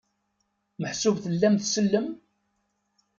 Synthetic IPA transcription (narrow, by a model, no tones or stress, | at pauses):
məħsuvθəlːæmθsəlːəm